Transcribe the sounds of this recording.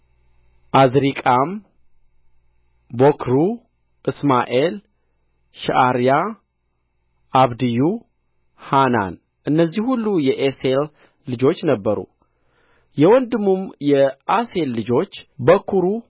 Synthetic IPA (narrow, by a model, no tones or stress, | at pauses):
ʔazɾikʼam | bokʰɾu | ʔɨsmaʔel | ʃaʔaɾja | ʔaβd̪ɨju | hana̰n | ʔɨnːəzːihulːujɛʔeselː | ɨd͡ʒo̞t͡ʃːnəbːəɾṵ | jɛwɔnd̪ɨmːumjɛʔase̞lːɨd͡ʒo̞t͡ʃːbəkʰuɾu